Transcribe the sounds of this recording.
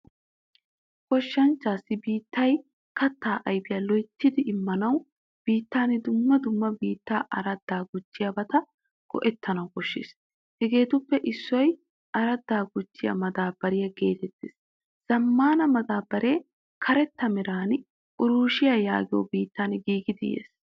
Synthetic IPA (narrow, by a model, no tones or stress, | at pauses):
kɔʃːɐnt͡ʃːaːsːɪbiːt̪ːɐj | kɐt̪ːaːʔɐjbɪjaːlɔjt̪ːɪd̪ɪʔɪmːɐnɐw | b̥iːt̪ːaːnɪd̪ʊmːɐd̪ʊmːɐbiːt̪ːaːʔɐɾɐd̪ːaːɡʊd͡ʒːɪjɐbɐt̪ɐ | ɡ̥ɔ̰ʔɛt̪ʰːɐnɐwkɔʃːḛːs | hɛɡe̞ːt̪ʊpːɛʔɪsːʊwɔj | ʔɐɾɐd̪ːaːɡʊd͡ʒːɪjɐ̰mɐd̪aːbɐɾɪjɐɡe̞ːt̪ɛt̪ːḛːs | z̥ɐmːaːnɐmɐd̪aːbɐɾʔeː | kʰɐɾɛt̪ːɐmɛɾaːn | ʔʊɾuːʃɪjajaːɡɪjo̰ːbiːt̪ːaːnɡiːɡɪd̪ɪjḛːs